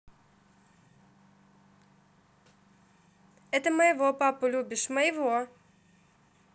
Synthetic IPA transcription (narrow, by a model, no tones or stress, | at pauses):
ɛt̪əməjɪvopapʊlʲubʲɪʂməjɪvo